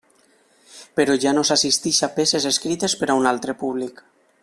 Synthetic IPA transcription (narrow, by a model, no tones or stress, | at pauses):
peɾɔʒanosasist̪iʃapesezeskɾit̪espeɾaunalˠt̪ɾepuβlik